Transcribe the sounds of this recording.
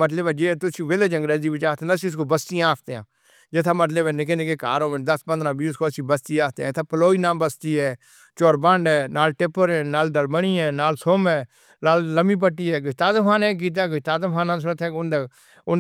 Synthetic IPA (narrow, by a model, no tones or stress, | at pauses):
mət̪ləbɛːd͡ʒeːt̪ʊsiʋeled͡ʒə̃ŋɡɾeziːbɪt͡ʃaːt̪ʰẽnsiːʊs̬koːbəst̪iãaːpʰt̪eːã̰ː | d͡ʒɪt̪ʰaːmət̪̬ləbɛːnɪk̬eːnek̬eːka̰ːɾõːəd̪əspə̃nd̪ɾãːbiːʊskoːsiːbəst̪iːaːt̪eãt̪ʰaːpəloːiːnãːbəst̪iːɦɛː | t͡ʃoːɾbəɳɖɛnaːlʈɪpːəɾɛːnaːld̪əlbəɳ̃iːɛːnaːlsoːmɛː | laːlːəmiːp̬əʈːiːɛːɡʊt̪aːt̪əmaːnɛ̃ːɡiːt̪̬aːɡʊt̪aːd̪əpʰaːnãːs̬ʊɾət̪ʰɛːkʊnd̪ | ʊ